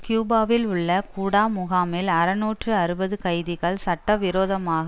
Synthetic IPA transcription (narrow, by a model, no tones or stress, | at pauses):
kjuːbaːʋɪlʊɭːɐkuːɽaːmʊɣaːmɪlɐɾɐnuːʈrɯɐɾɯbɐðɯkɐɪðɪɣɐɭsɐʈːɐʋɪɾoːðɐmaːɣɐ